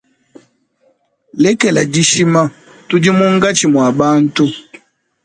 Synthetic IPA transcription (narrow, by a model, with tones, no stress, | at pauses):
lɛ˦kɛ˨la˨d͡ʒi˦ʃi˦ma˦ | tu˦d͡ʒi˦mu˦ŋ˦ɡa˦t͡ʃi˨mwa˨ba˦n̩˦tu˦